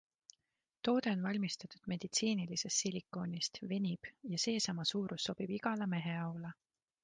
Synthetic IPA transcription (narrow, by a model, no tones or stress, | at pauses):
t̪o̞ːd̪̥e̞o̞nvɑlʲmist̪ɑt̪ud̪̥me̞d̪̥it̪siːnilise̞st̪silʲikːˑo̞ːnist̪ve̞nʲib̥jɑse̞ːsɑmɑsuːɾʔusːo̞b̥ib̥iɡ̥ɑlɑme̞ɦe̞ɑwlɑ